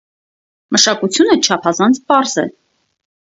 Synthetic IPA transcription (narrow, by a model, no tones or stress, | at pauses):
məʃɑkut͡sʰjunət͡ʃʰɑpʰɑzɑnt͡sʰpɑɾzɛ̰